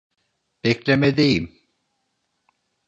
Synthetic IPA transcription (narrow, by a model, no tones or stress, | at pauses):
b̥eklemed̪ejim